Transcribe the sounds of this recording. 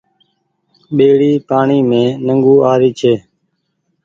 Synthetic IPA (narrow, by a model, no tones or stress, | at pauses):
ɓeːɽiːpaːɳiːmẽːnəŋɡuːaːɾiːt͡ʃʰeː